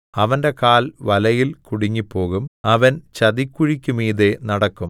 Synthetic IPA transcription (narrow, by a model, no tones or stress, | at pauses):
ɐʋɐnde̞kaːlʋɐlɐjilkuɽiŋːipːo̞ːɣumɐʋɐnt͡ɕɐðikʲːuɻikʲːumiːðe̞nɐɽɐkːum